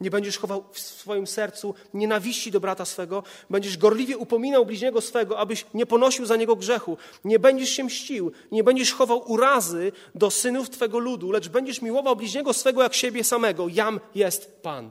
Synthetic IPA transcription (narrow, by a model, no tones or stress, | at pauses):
ɲɛbɛɲd͡ʑɛʂxɔvawfssfɔjimsɛɾt̪su | ɲɛnavʲiɕt͡ɕid̪ɔbɾat̪asfɛɡɔbɛɲd͡ʑɛʐɡɔɾlʲivʲjɛupɔmʲinawblʲiʑɲɛɡɔsfɛɡɔabɘɕɲɛpɔnɔɕiwzaɲɛɡɔɡʐɛxu | ɲɛbɛɲd͡ʑɛʂɕɛmɕt͡ɕiw | ɲɛbɛɲd͡ʑɛʂxɔvawʔuɾazɘ | d̪ɔsɘnuft̪fɛɡɔlud̪ulɛʐbɛɲd͡ʑɛʂmʲiwɔvawblʲiʑɲɛɡɔsfɛɡɔjakɕebʲjɛsamɛɡɔjamjɛst̪pa̰n